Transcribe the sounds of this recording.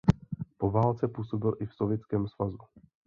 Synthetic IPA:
po̞vaːlt͡sɛpuːso̞bɪlʔɪfsovjɛt͡skɛːmsvazu

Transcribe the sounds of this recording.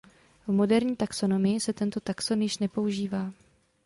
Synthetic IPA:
vmo̞dɛɾɲiːt̪akso̞no̞mɪjɪsɛt̪ɛnt̪o̞t̪aksonjɪʃnɛpo̞uʒiːvaː

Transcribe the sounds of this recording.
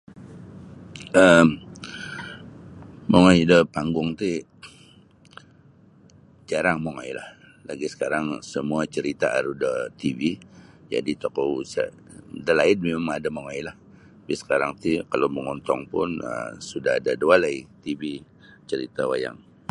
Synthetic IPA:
əm | moŋɔjdəpaŋɡʊŋt̪i | d͡ʒaɾaŋmoŋajla̰h | la̰ɡisə̥kaɾaŋsəmuat͡ʃəɾit̪aʔa̰ɾudət̪ivid͡ʒa̰dit̪okousa̰ | dəlaɪnmimamadamoŋajlah | bɪsə̥kaɾaŋt̪ikaloməŋɔnt̪ɔŋpʊnə̰msudaɦa̰dadualait̪ivi | t͡ʃəɾit̪awa̰ja̰ŋ

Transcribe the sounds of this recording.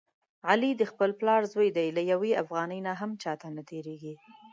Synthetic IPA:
ʕalid̪əxpəlplɑɾzwəjd̪ajlajaweafɣɑnəjnaɦamt͡ʃɑt̪anat̪ʰeɾeɡi

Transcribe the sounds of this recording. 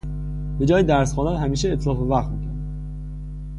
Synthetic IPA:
b̥e̞d͡ʒɒːjed̪æɾsxɒːnæɾhæmiːʃeːt̪ʰlɒːfevæχt̪miːcʰæɾd̪æ

